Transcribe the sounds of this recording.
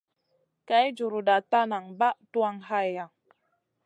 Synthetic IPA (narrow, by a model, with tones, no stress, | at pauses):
ka˨˦jd͡ʒu˨ɾu˨da˨t̪a˦na˨ŋba˦ʔtu˦a˦ŋha˦ja˨ŋ